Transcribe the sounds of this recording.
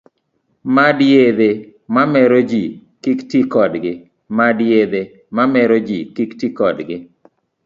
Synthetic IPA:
madjed̪emamɛɾod͡ʒi | kiktikɔdɡɪ | madjed̪e | mamɛɾod͡ʒikiktikɔdɡɪ

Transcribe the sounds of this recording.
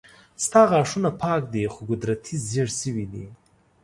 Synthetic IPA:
st̪ɑɣɑʂunapʰɑːkd̪exoɡʊd̪ɾat̪ʰizeɽsəwid̪ḭ

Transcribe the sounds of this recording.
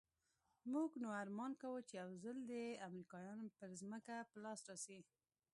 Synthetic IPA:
muɡnoaɾmɑnkawət͡ʃejawzəld̪eamɾikɑjɑnpəɾzməkapəlɑsɾɑsi

